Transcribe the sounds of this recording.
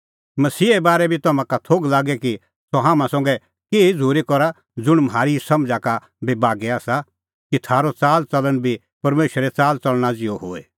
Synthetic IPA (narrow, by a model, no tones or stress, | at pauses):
mɐsiːɛbaːɾɛbʱit̪ɐmãkat̪ʰoːɡlaːɡɛki | sɔɦãːmãsɔ̃ŋɡɛ | keːid͡zʱuːɾekɔɾa | d͡zʊɽ̃mɦaːɾisɐmd͡zaka | bebaːɡɛaːsa | kit̪ʰaːɾot͡saːlt͡sɐlənbʱi | pɐɾmeːʃəɾɛt͡saːlt͡sɐlɽ̃ad͡zɪjoɦo̰ːe